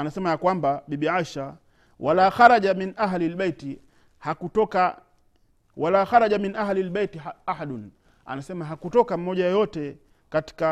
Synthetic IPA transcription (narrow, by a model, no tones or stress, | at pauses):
anasɛmajakwambaɓiɓiʕaʃa | walaːxaɾaʄaminʔaɦlilbejti | hakutɔka | walaːxaɾaʄaminʔaɦlilɓejtiahaɗn | a̰nasɛmaɦakutɔkam̩mɔʄajɔjɔtɛ | kati̥ka